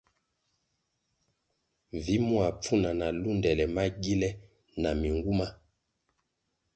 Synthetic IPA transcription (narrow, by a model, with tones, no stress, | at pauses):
vi˨˦mwa˨p͡fu˦na˨na˨lu˦ndɛ˨lɛ˨ma˦ɡi˦lɛ˦ | na˨mi˨ŋɡu˦ma˦